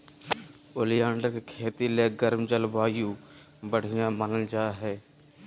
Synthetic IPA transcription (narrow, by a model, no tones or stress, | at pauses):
ʊlɪjãːɳɖəkkʰeːt̪ileɡəɾmd͡ʒəlbaːjuː | bəɽ̤ɪjãːmənəld͡ʒaːɦɛː